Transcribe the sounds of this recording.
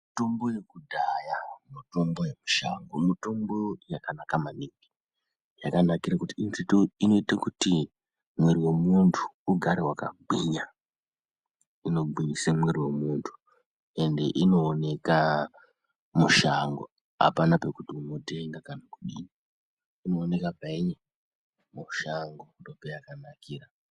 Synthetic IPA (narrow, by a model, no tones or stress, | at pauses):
ito̞mbojekudʱajamuto̞mbo̞je̞muʃa̰ŋɡomito̞mbo̞jakanakamaniɡi̥ | jakanakiɾakutiintitoino̞itakuti | mwe̞ɾiwe̞muntʰu̥ːɡʱaɾewaka̰ɡ͡biɲa | ino̞ɡ͡biɲisemweriwe̞muːntʰu̥ | e̞nde̞ʔino̞ːne̞ka | muʃaŋɡo̰ | a̰panape̞kutiuno̞te̞ŋɡakanakuɗiɲi | ino̞ːne̞kapaiɲe | muʃaŋɡodopejakanakiːra